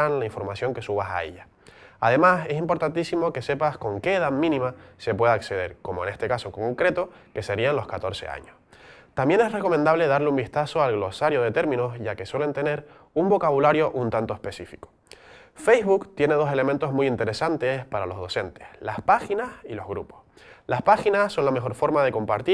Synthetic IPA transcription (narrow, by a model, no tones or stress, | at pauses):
anlaĩɱfo̞ɾmasjo̞ŋke̞suβasa̰ḛʎa | a̰ð̞e̞mase̞simpo̞ɾt̪ant̪isimo̞ke̞se̞pasko̞ŋke̞ːðamĩnĩmase̞pwe̞ðaːkse̞ð̞e̞ɾko̞moene̞st̪e̞kasoŋko̞ŋkɾe̞t̪o̞ | ke̞se̞ɾianlo̞skat̪o̞ɾse̞̰a̰ɲos | t̪ambje̞ne̞sre̞ko̞mẽnd̪aβle̞ðaɾleumbist̪aso̞alɣlo̞saɾjo̞ð̞e̞t̪e̞ɾmĩno̞sʝake̞swe̞le̞nt̪e̞ne̞ɾ | umbo̞kaβulaɾjo̞ʔunt̪ant̪oespe̞sifi̥ko | fejzβukt̪je̞ne̞ð̞o̞se̞le̞mẽnt̪o̞ɦmujint̪e̞ɾe̞sant̪espaɾalo̞ɦðo̞se̞nt̪e̞̥hlaspaxinasilo̞ɦɣɾṵpo̞̥s | laspaxinasso̞nlame̞xoɾfo̞ɾmað̞e̞ko̞mpaɾt̪i